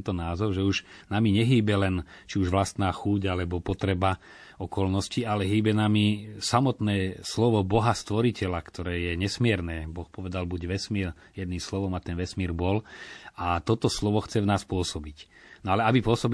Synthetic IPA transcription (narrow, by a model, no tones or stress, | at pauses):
nt̪ɔnaːzɔʊʒɛuʒnamiɲɛɦiːbɛlɛnt͡ʃiuʒʋlast̪naːxuːɟalɛbɔpɔt̪ɾɛba | ɔkɔlnɔscialɛɦiːbɛnamisamɔt̪nɛːslɔʋɔbɔɦast̪ʋɔɾicɛlakt̪ʰɔɾɛːjɛɲɛsmɪɛɾnɛːbɔxpɔʋɛd̪albuɟʋɛsmiːɾ | jɛd̪niːmslɔʋɔmat̪ɛnʋɛsmiːɾbɔlat̪ɔt̪ɔslɔʋɔxt͡sɛvnaːspʊɔsɔbic | nɔalɛabipʊɔsɔb